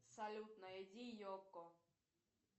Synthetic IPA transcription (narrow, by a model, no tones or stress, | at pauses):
salʲut̪nɐjɛdʲijɔkːɔ